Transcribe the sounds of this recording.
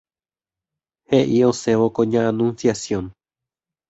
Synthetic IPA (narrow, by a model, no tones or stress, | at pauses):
heʔio̞se̞ʋokõɲããnũnsjasjõ̞n